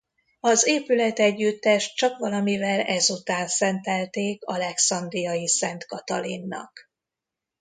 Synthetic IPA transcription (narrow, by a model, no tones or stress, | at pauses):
ɒzeːpylɛt̪ɛɟːyt̪ːɛʃt̚t͡ʃɒkʋɒlɒmivɛlɛzut̪aːnsɛnt̪ɛlt̪eːkɒlɛksɒnd̪rijɒjisɛnt̪kɒt̪ɒlinːɒ̰k